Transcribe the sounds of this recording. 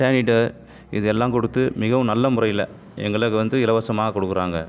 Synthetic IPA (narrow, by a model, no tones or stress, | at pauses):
aːnɪʈːɐ | ɪðɯɛlːãːkɔɽɯt̪ːɯmɪɣɐʋɯ̃nɐlːɐmʊɾɐɪjɪlɐ | ɛ̰ŋɡɐɭɯkːɯʋɐnd̪ɯɪlɐʋɐsɐmaːɣɐkɔɽɯkːɯɾaːŋɡɐ